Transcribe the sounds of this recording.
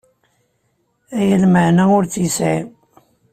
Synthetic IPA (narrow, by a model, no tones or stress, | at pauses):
æjəlməʕnæʊɾt͡sjəsʕim